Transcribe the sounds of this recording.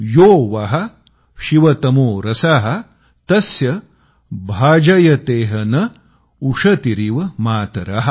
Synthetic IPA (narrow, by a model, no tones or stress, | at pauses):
joːʋɐɦɐ̆ | ʃiʋɐt̪ɐmoːɾɐsaːɦɐ̆ | t̪ɐsjɐ | bʱaːd͡ʒɐjɐt̪eːɦɐnɐ | uʂɐt̪iɾiʋɐmaːt̪ɐɾɐɦɐ